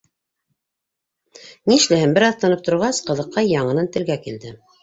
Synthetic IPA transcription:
niʃlæhɘmbɘɾɑθt̪ɑnɤp̚t̪ŏɾʁɑsqɤ̆ðɤ̆qːɑjɑɴɤ̆nɤnt̪ɘ̆lɡækild̪ɘ

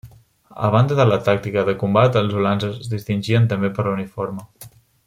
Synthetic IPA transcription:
ə̰β̞and̪əðələt̪ak̚t̪ikəðəkumbat̪əlˠzulanzəzzðist̪inʲʒiənt̪əmbepəɾlunifoɾmə

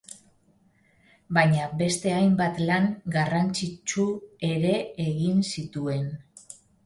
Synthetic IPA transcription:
baɲabe̞st̪e̞ajmbat̪laŋɡarant͡sit͡ʃue̞ɾe̞eɣinsit̪ue̞n

